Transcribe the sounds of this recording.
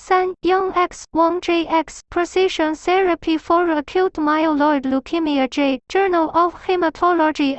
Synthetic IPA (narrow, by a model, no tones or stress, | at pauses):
sɛ̃njɔ̃ŋɛkswɔ̃ŋd͡ʒeɪʔɛkspʰɹɔsɪʃə̃nθɛɹəpʰifɔɹəkʰiltmaɪolɔɪdlukʰimiəd͡ʒeɪd͡ʒɜ˞nəlɔfhemətʰɔlɔd͡ʒi